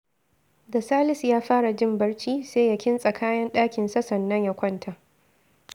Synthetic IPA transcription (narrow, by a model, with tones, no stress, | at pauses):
dɐ˨saː˦lɪ˦sjaː˦ɸaː˦ɽa˨d͡ʒɪ˦mbɐ˦ɽt͡ʃiː˦seː˦ja˦kʲɪ˦nsʼɐ˨kʰaː˦jɐ˦nɗaː˦kʲɪ˨nsɐ˦sɐ˨nːɐ˦ɲja˦kʷɔ˦ntʰa˨ʔ